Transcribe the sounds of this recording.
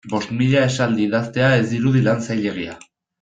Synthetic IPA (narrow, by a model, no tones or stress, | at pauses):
bo̞st̪miʎae̞sald̪iːðast̪e̞ae̞zd̪iɾuð̞ilant͡sajʎe̞ɣia